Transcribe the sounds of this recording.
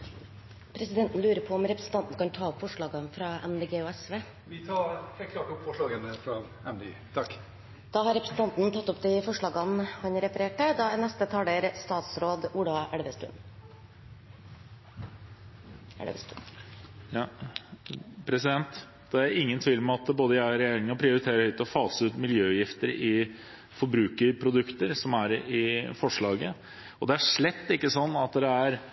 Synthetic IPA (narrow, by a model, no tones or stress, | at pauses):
pʰɾɛsɪd̪ɛnt̪n̩lʉːɾəpʰɔɔmɾɛpɾɛsn̩t̪ʰɑnt̪nkɑnt̪ʰɑːɔpfɔʂɭɑːɡɑnfɾɑːʔɛmd̪eːɡeːoːɛsʋeː | ʋɪt̪ʰɑːɾheːlt̪̚kʰlɑːʈɔpfɔʂɭɑːɡənəfɾɑ | ɛmd̪ḛɡḛt̪ʰɑkː | d̪̥ɑːɦɑɾɛpɾəsn̩t̪ɑnt̪n̩t̪ʰɑt̪ːɔpd̪ɪfɔʂɭɑːɡɑnhɑnɾɛfəɾeːʈəd̪ɑænɛst̪ət̪ʰɑːləɾst̪ɑːt̪sɾoːd̪ulɑʔæɽʋəst̪ʉ̰n | pʰɾɛsɪd̪ɛnt̪ | d̪̥ɛæɾɪŋːənt̪ʰʋiːlmɛɑt̪boːd̪əjæɾɛjeːɾɪŋɑpʰɾɪʊɾɪt̪ʰeːɾəhœʏt̪əɔfɑːsʉːt̪mɪljøːjɪft̪əɾɪ | fɔɾbɾʉːkəɾpʰɾʊd̪ʉkt̪əɾsɔmæɾɪfɔʂɭɑːɡə | ɔd̪ɛæʂɭɛt̪ːɪkːəsɔnːɑt̪d̪ɛæɾ